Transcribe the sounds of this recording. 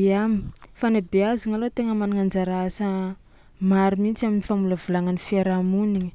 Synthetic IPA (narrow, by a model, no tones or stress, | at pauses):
amifanabeaziŋalot̪eŋəmanaŋand͡ʒaɾasə | maɾumint͡siaminifamuləvulaŋanifiaɾamuniɲə̥